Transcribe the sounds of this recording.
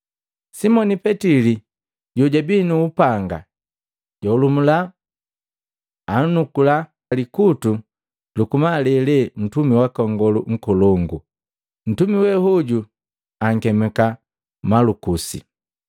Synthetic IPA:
simɔnipɛtili | ɟɔɟabinuːpaŋɡa̰ | ɟɔlumula | nukula | likutu | lukumalɛlɛn̩tumiwakɔŋɡɔlṵŋ̩kɔlɔŋɡu | n̩tumiwɛhuɟu | aŋkɛmɛka | malukusḭ

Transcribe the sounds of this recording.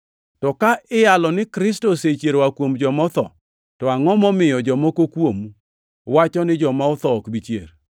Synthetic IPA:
tɔkaɪjalɔnɪkɾɪstoset͡ʃjeɾwakwomd͡ʒɔmɔt̪ɔ̰ | tɔaŋɔmɔmɪjɔd͡ʒɔmokokwomu | wat͡ʃɔnɪd͡ʒɔmaɔt̪ɔkbit͡ʃjḛr

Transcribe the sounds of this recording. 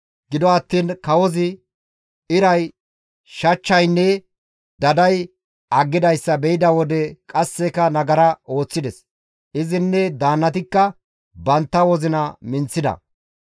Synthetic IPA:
ɡɪd̪ɔɐt̪ːiːnkɐwɔzɪ | ɪɾɐj | ʃɐt͡ʃːɐjnːɛ | d̪ɐd̪ɐj | ɐɡːɪd̪ɐjsːɐbɛɪd̪ɐwɔd̪ɛkʼɐsːɛkɐnɐɡɐɾɐo̞ːt͡sːɪd̪ɛs | ʔɪzɪnːɛd̪aːnːɐt̪̬ɪkːɐ | bɐnt̪ːɐwɔzɪnɐmɪnt͡sːɪd̪ɐ̰

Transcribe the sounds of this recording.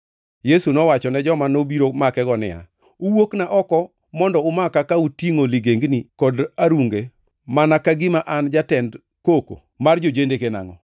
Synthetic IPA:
jesunɔwat͡ʃɔnɛd͡ʒɔmanobiɾomakɛɡɔnɪ̰ja̰ | uwoknaʔɔkɔ | mɔndɔʊmakakautiŋoliɡeŋɡnikɔdaɾuŋɡe | manakaɡɪmaʔand͡ʒatɛnd | koko̰ | mard͡ʒod͡ʒendekena̰ŋɔ̰

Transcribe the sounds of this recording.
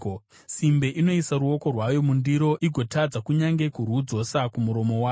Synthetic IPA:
simbe̞ʔino̞isaɾuo̞ko̞rwajo̞mundiɾo̞ʔiɡʱo̞tad͡zakuɲaŋɡe̞kurud͡zo̞sakumuɾo̞mo̞waː

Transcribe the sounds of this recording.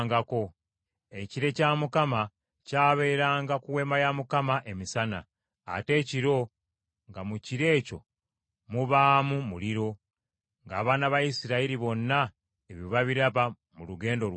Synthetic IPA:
ŋɡako̞ | eciɾe̞caːmukama | caːβe̞ːɾaːŋɡakuwe̞ːmajamukamaʔe̞misana̰ː | te̞ːciɾo̞ | ŋɡamuciɾe̞ːco̞̰ | muβaːmumuliɾo̞ | ŋɡa̰ːβaːnaβaisiɾaiɾiβo̞nːa | eβiβaβiɾaβa | muluɡe̞ːndo̞l

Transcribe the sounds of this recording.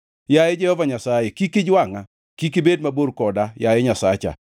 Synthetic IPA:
jajed͡ʒɛhɔvaɲasajekikɪd͡ʒwaŋa | kikibedmaboɾkɔdajajeɲasat͡ʃa̰

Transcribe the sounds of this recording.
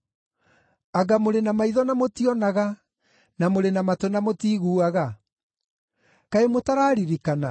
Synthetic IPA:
aɡamoɾenamaiðɔnamotiɔnaɣa | namoɾenamatonamotiːɣuːaɣa | kaemotaɾaːɾiɾikana

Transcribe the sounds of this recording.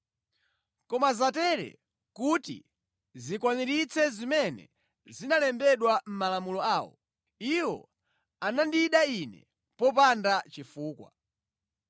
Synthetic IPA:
kɔmazatɛɾɛ̰ | kutḭ | zikwaniɾit͡sʰɛzimɛnɛ̰ | zinalɛmbɛɗwam̩malamulɔaːwɔ̰ | iwɔ̰ | anandiːɗainɛ̰ | pɔpandat͡ʃifuːkwa̰

